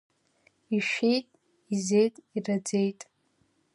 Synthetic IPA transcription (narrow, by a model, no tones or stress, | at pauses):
iʃᶣejtʼ | ize̞jtʼirad͡ze̞jtʼ